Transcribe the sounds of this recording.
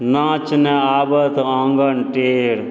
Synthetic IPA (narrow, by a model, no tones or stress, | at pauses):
nãːt͡ʃneaːbət̪ʰãːŋɡɐnʈeːɾ